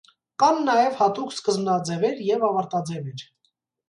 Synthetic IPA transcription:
kɑnːɑjɛvhɑt̪ukskəzmnɑd͡zɛvɛɾjɛvɑvɑɾt̪ɑd͡zɛvɛɾ

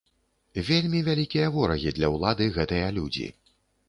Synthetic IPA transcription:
vʲelʲmʲivʲalʲikʲijɐvɔɾɐɣʲid̪lʲɐwlˠad̪ɨɣɛt̪ɨjɐlʲud͡zʲḭ

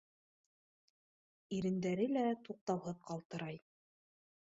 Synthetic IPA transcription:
iɾɘ̆nd̪æɾɘlæt̪uq̚t̪ɑwɦɤðqɑlˠt̪ɤ̆ɾɑj

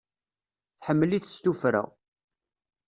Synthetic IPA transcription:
θħəmːəliθst̪ufɾæ̰

